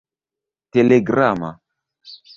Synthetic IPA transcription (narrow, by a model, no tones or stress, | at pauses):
teleɡɾama̰